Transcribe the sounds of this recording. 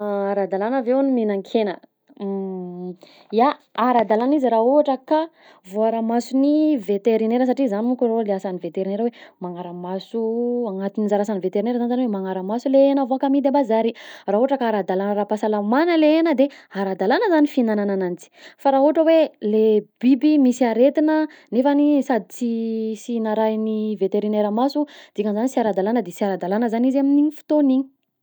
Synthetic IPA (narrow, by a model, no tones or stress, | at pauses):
aɾad̪alanavewniminaŋkʰenə | jaaɾad̪alaniziɾauaʈ͡ʂəka | voaɾamasunivet̪eɾineɾəs̬aʈ͡ʂizanimukʲuroleasanivet̪eɾineɾəwemaŋaɾəmasuaŋat̪ininzaɾasanivet̪eɾineɾəzanzanwemaŋaɾəmasuleenəvoakamid̪abazaɾiraɦoʈ͡ʂəkaaɾad̪alanəɾapasalamanəleenəd̪eaɾad̪alanəzanifinananananit͡si̥faɾauaʈ͡ʂəweleb̥ibimisiaɾet̪inənefanisad̪it͡sisinaɾajnivet̪eɾineɾamasud̪̥ikənzanit͡siaɾad̪alanəd̪esiaɾad̪alanəzanizaminiifi̥t̪oniɲi̥